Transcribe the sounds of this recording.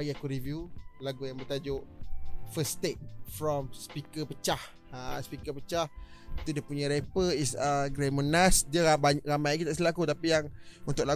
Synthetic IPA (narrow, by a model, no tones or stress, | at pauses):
aɡiakuɾivjulaɡujaŋbət̪ad͡ʒʊʔfəst̪et̚fɾɔmspikəpət͡ʃah | aspikəpət͡ʃahit̪udiəpuɲaɾepəisəɡɾemənasdiəaaɾamajkit̪aʔsəlakut̪apijaŋunt̪ʊkla